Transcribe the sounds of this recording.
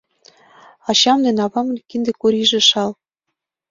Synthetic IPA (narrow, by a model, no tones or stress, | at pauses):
ɑɕɑmd̪ĕnɑβɑmɤ̆lʲkind̪ĕkuɾʲiʒĕʃɑl